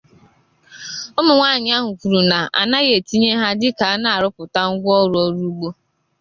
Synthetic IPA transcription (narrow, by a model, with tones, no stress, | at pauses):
ʊ˦mʊ˨ŋʷaː˦˨ɲɪ˦a˦ɦʊ˨kʷu˨ɾu˨na˨ʔa̰˨na˦ɣe˨ti˦ɲe˦ɦa˦dɪ˦ka˨a˦na˨a˨ɾʊ˦pʊ˨ta˦ŋ̩˦ɡʷɔ˦ɾʊ˨ɔ˦ɾu˦u˦ɡ͡bo˦